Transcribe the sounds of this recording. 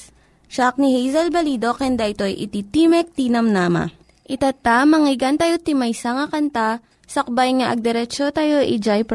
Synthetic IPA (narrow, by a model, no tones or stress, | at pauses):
ʃak̚nihejzɐlbɐliːd̪o̞kɛnd̪aʔɪt̪o̞jʔɪ̰t̪it̪imɛk̚t̪iːnɐmnaːmɐ̰ | ʔɪt̪at̪amɐŋɪɡɐnt̪ɐjot̪ɪmɐjsaŋɐkɐnt̪a | sɐk̚bajŋaʔɐɡ̚d̪ɛɾɛt͡ʃot̪ɐjo̞ʔid͡ʒajp